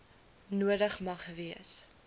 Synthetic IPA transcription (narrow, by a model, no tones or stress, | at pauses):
nuədəχmɐχviəs